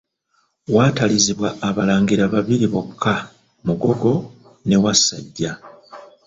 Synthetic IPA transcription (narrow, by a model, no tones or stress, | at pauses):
waːtaliziβwaːβalaːŋɡiɾaβaβiɾiβokʰːa | muɡo̞ɡo̞ | ne̞wasa̰ɟːa